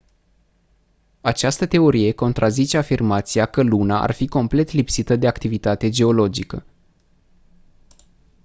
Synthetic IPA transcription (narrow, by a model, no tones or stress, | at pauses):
at͡ʃast̪ət̪e̞o̞ɾije̞ko̞nt̪ɾʔazit͡ʃe̞afirmat̪siakəlunaʔa̰rfiko̞mple̞t̪lipsit̪əd̪e̞akt̪ivit̪at̪e̞d͡ʒe̞o̞lo̞d͡ʒikə